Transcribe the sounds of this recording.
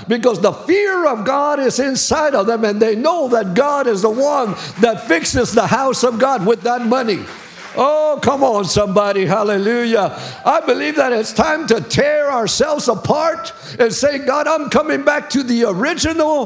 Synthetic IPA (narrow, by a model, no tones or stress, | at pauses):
b̥ɨkʌzðəfɪɹʌvɡɑɾɪzɪ̃nsaɪɾʌvðə̃mɨ̃nðeɪnoʊðət̚ɡ̥ɑɾɨzðəwʌ̃nðɨtfɪksɨzðəhaʊsʌvɡɑd̚wɨðət̚mʌni | ʔokʰʌ̃mə̃nsʌ̃mbɑɾihælˠəlʉjəʔaɪbɨlivðɨɾɪtstʰãɪ̃mtɨtʰɛɹaʊə˞sɛlˠvzəpʰɑɹɾ | ɨ̃nseɪɡɑɾãɪ̃mkʰʌ̃mɪ̃ŋbæk̚tʰɨðiə˞ɪd͡ʒɨnl̩ˠ